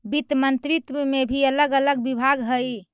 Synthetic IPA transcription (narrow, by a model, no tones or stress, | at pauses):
bit̪mənt̪ɾit̪mebʱiələɡələɡbibʱaɡɦəj